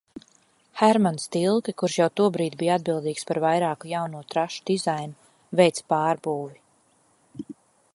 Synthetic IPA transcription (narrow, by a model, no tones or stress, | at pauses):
hæɾmanst̪ilˠkɛkuɾʃjawt̪uɔbɾiːt̪bijad̪̚bilˠd̪iːkspaɾvajɾaːkujawnuɔt̪ɾaʃu̥d̪̥izajnu | vɛjt̪spɑːɾbuːvi